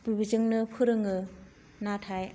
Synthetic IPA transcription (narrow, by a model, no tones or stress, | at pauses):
bibizɯŋnɯpʰɯɾɯŋɯ | natʰaj